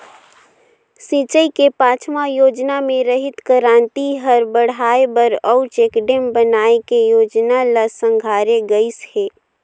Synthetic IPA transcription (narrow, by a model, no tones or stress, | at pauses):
sit͡ʃəikepãːt͡ʃʰmajoːd͡ʒnamẽɾəɦɪt̪kəɾãːnt̪iɦəɾbəɽ̤aːebəɾəʊt͡ʃeːkɖembənaːekejoːd͡ʒnaləsə̃ŋɡʱaːɾeɡəɪsheː